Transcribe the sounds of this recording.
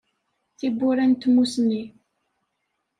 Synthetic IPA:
θibːʊɾænt̪musni

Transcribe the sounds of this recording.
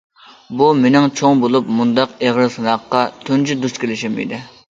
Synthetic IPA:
bumenɪŋt͡ʃʰoŋbolˠupmund̪ɑqeʁɾɨsɨnɑqːɑt̪ʰynd͡ʒyd̪uʃkʲʰelɪʃɪmḭd̪ɪ

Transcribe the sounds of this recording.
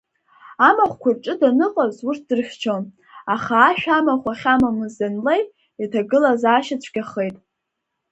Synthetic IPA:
amaχʷkʷʰarʈ͡ʂʼɨdanɨqʼazurt̚ʰdɨrχʲt͡ʃʰon | aχaːʃᶣamaχʷaχʲamamɨzanlejtʼ | iatʰaɡɨlazaːʃat͡ɕʷʰɡ̥ʲaχejtʼ

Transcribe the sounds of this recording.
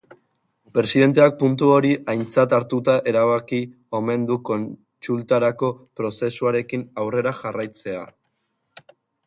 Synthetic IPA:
pɾe̞siðe̞nt̪̬e̞ak̚punt̪uo̞ɾiʔajnt͡sat̪aɾt̪ut̪aʔe̞ɾaβaki | o̞me̞nd̪uko̞n | t͡ʃult̪aɾako̞pɾo̞se̞suaɾe̞kinawre̞ɾaʝarajt͡se̞a̰

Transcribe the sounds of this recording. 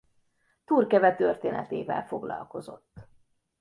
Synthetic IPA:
t̪uːrkɛvɛt̪ørt̪eːnɛt̪eːvɛlfo̞ɡlɒ̰lko̞zo̞̰t̪ː

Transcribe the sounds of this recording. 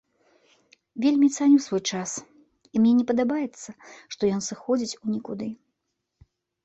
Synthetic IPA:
vʲelʲmʲit̪sanʲusvɔjt͡ʂas | imnʲɛnʲɛpɐd̪abajɛt̪sːɐʂt̪ɔjɔnsɨxɔd͡zʲit͡sʲunʲɛkud̪ɨ

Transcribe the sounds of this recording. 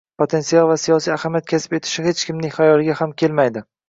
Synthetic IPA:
pʰot̪ʰe̞nsialˠvasijɒsijahamijat̪̚kʲʰasɪ̥be̞t̪ʰɪ̥ʃɪhe̞t͡ʃkʲʰɪmnɪŋχajɒlˠɪɡʲahamkʲʰe̞lmajd̪ɪ

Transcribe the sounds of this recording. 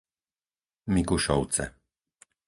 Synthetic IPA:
mikuʃɔwt̪sɛ̰

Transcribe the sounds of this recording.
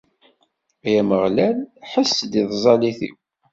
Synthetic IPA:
æjæməʁlælħəsːd̪iðˤzˤɑliθḭw

